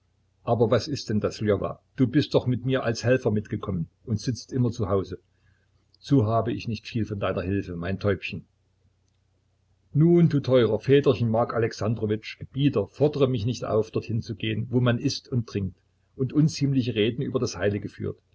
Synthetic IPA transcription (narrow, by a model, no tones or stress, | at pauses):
ʔaːbɐvasɪst̚d̥ɛndaslɛva̰ːd̥uːbɪst̚d̥ɔχmɪtmiːɐʔalshɛlfɐmɪtɡ̥əkʰɔmən | ʔʊntz̥ɪt͡stʔɪmɐt͡suhaʊzə | z̥oːɦaːbəɪçnɪçtfiːlfɔndaɪnɐhɪlfəmaɪntʰɔʏpçən̩ | nuːnduːtʰɔʏʁɐfɛːtɐçən̩maɐkalɛksandʁɔvɪt͡ʃɡ̥əb̥iːtɐfɔɐdəʁəmɪçnɪçtʔa̰ʊfd̥ɔɐthɪnt͡suɡeːənvoːmanʔɪstʊnt̚d̥ʁ̥ɪŋk̚t | ʔʊntʔʊnt͡siːmlɪçəʁeːdn̩yːbɐdashaɪlɪɡəfy̰ːɐt